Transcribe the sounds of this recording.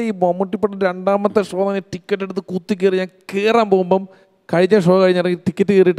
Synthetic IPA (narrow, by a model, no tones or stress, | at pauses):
iːmomːuʈːipːeʈːɨɾeɳɖaːmɐt̪ːɨʂoːnɐniʈikʲːɐʈːeɽut̪ːɨkut̪ːik̬ʲːeriɲaːnkeːraːmboːmbɐm | kɐɻiɲːɐʂoːɐkɐɻiɲːɐrɐŋːiʈikʲːɐtːɨkeːrijiʈː